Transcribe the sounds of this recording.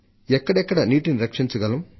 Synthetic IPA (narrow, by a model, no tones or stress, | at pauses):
ɛkːɐɽɛkːɐɽɐniːʈiniɾɐkʂiɲt͡ʃɐɡɐlɐm